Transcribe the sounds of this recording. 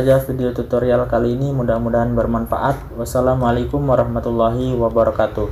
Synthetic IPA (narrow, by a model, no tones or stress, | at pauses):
d͡ʒafideiot̪ut̪oɾialkaliːnimudamudaɦanbərmanfa̰ʔat̪̚wasalamalakʊmwaɾɑhmat̪ulːaɦiwabaɾɔkat̪u